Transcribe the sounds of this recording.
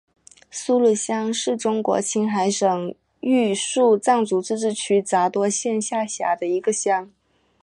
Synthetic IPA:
su˥lu˥˩ɕjɑ˥ŋʂɻ̩˥˩ʈ͡ʂʊ˥ŋkwɔ̰˧˥t͡ɕʰi˥nxa˧˥ɪʂɤ˨˩ŋ | y˥˧ʂu˥˧t͡sɑ˥˩ŋt͡su˧˥˩t͡sɻ̩˥˧ʈ͡ʂɻ̩˥˩t͡ɕʰy˥t͡sa˧˥t̪wɔ˥ɕjɛ˥˧nɕja˥˩ɕja̰˧˥d̪ə˧i˧˥ɡə˧ɕjɑ˥ŋ

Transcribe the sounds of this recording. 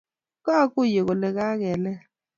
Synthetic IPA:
ka˦ku˦˨je˨kɔ˨lɛ˨k̬a˦k̬ɛ˨lɛ˦

